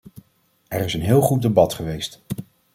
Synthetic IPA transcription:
ɛɹɪsənɦɪːlˠχut̚dəbɑtχəʋejst

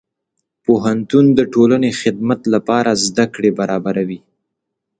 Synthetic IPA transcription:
poɦant̪und̪əʈolanexɪd̪mat̪lapɑɾazd̪akɽebaɾɑbaɾawi

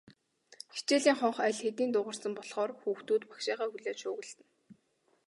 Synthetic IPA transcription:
xi̥t͡ɕeːɮiːŋχɔɴχæɮxet̪iːnt̪ʊʁə̆rsə̆mpɔɮχɔːrxuːxt̪uːt̪pḁkʃaːʁaːxuɮeːʃʊːɣɘ̆ɮt̪ɘ̆n

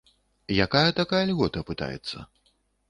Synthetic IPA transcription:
jakajɐt̪akajɐlʲɣɔt̪ɐpɨt̪a̰jɛ̰t̪sːɐ̰

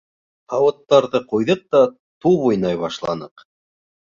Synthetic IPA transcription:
qɑwɤ̆t̪ːɑɾðɤqujðɤq̚t̪ɑ | t̪uβujnɑjβɑʃlˠɑnɤq

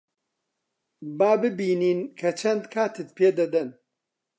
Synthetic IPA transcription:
baːbɨbiːniːnkʰɐt͡ʃʰɐnd̪kʰaːt̪ɨt̪̚pʰeːd̪ɐd̪ɐn

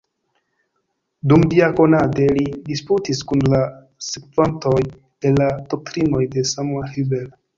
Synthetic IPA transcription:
dumdiako̞nade̞lidisputiskunla | sekvanto̞j | elad̥ok̚tɾino̞jde̞samuahibel

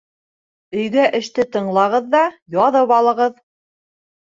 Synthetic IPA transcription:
ɵ̆jɡæʔɘ̆ʃt̪ɘt̪ɤ̆ɴlˠɑʁɤðːɑjɒðɤpɑlˠɤ̆ʁɤð

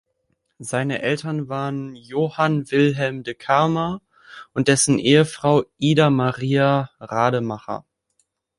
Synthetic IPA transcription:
zaɪnəʔɛltɐnvaːʁənjoːhanvɪlɦɛlmdəkʰaɐma | ʔʊntd̥ɛsn̩ʔeːəfʁ̥aʊʔiːdamaʁiːaʁaːdəmaχɐ̰

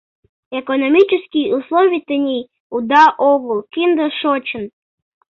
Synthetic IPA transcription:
ekonomʲit͡ɕəskijuslˠovʲijt̪ənʲij | ud̪ɑʔoɣulˠkind̪əʃot͡ɕən

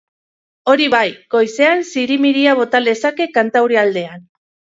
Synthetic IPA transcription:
o̞ɾiβajɡo̞jse̞ansiɾimiɾiaβo̞t̪ald̪e̞sake̞kant̪awɾiald̪e̞an

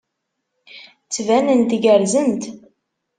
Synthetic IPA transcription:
t͡sːvænənt̪ɡəɾzənt̪

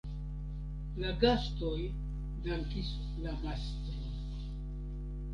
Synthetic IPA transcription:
laɡastoj | daŋkis | lamast̪ɾin

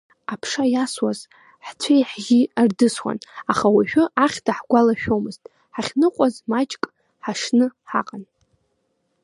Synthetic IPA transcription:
apʰʂajaswaz | ħt͡sʷʰajħɡʲiardɨswa̰naχawiʃᶣʊʔaχʲdʰaħɡʷalaʃᶣo̞mɨztʼ | ħaχʲnɨqʷʼazmat͡ʃʼkʼ | ħaʂnɨħa̰qʼan

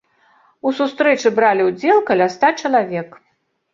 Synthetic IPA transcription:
usust̪ɾɛt͡ʂɨbɾalʲiwd͡zʲɛlˠkɐlʲast̪at͡ʂɐlˠavʲɛk

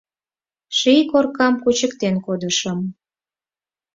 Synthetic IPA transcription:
ʃijkorkɑmkut͡ɕəkt̪enkod̪əʃəm

